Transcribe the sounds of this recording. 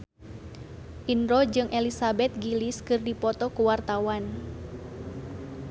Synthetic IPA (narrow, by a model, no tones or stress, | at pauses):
ʔinɾɔd͡ʒɨŋʔelisabɛt̪̚ɡiliskɨrdipɔt̪ɔkuwart̪awan